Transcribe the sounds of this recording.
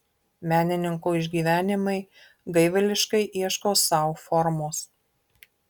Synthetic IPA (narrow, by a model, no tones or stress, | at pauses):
mʲæːnʲɪnʲɪŋkoːɪʒʲɡʲiːʋʲæːnʲɪmɐɪ | ɡɐɪʋʲɐlʲɪʃkɐɪʔiɛʃkoːsɑˑʊfɔɾmoːs